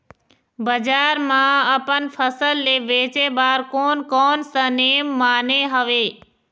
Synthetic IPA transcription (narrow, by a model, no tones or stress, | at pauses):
bəd͡ʒaːɾmãəpənpʰəsəlːeːʋeːt͡ʃeːbaːɾkoːnkɔːnsə̃neːmːaːneɦəʋeː